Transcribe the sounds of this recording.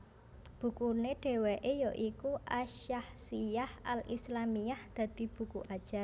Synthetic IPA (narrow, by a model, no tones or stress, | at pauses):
b̥ṳkuneɖ̥e̤weʔejɔʔikuʔaʃahsijahalḭslamijahd̪̥ä̤d̪̥i̤b̥ṳkuʔad̥ʒ̥a̤r